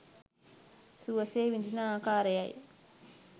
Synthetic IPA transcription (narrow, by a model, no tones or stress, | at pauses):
suɐseːʋind͡ʒinakaːɾejaj